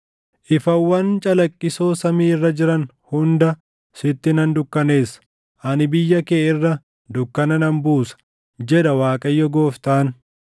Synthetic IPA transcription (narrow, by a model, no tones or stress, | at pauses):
ʔɪfɐwːɐnt͡ʃʼɐlɐkʼːɪso̞ːsɐmiːɪrːɐd͡ʒɪɾɐn | hʊnd̪ɐ | sɪt̪ːɪnɐnd̪ʊkːɐne̞ːs | ʔɐnɪbɪjːɐke̞ːɪrːɐ | d̪ʊkːɐnɐnɐmbuːsɐ̥ | d͡ʒɛᶑɐwaːkʼɐjːɔɡo̞ːft̪aːn